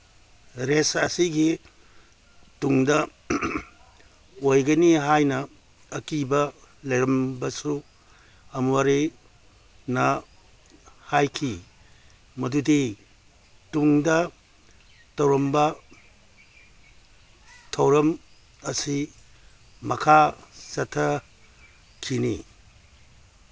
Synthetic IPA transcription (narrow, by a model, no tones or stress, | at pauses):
ɾesɐsiɡi | tuŋdɐ | ojɡɐniɦajnɐː | kibɐlɐjɾɐmbɐsu | ɐmwaɾi | nɐ | hajkʰi | mɐdudi | tuŋdɐ | tɐwɾɐmbɐ | tʰɐwɾɐm | ɐsi | mɐkʰasɐtʰɐ | kʰinḭ